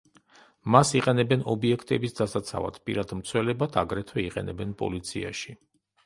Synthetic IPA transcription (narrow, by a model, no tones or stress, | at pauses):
masiqʼɛnɛbɛnɔbiɛkʰt̪ʼɛbisd̪asat̪sʰa̰va̰d̪̥ʰpʼḭɾad̪mt̪sʰwɛlɛbat̪ʰaɡɾɛt̪ʰwɛiqʼɛ̰nɛbɛnpʼɔ̰lit̪sʰia̰ʃi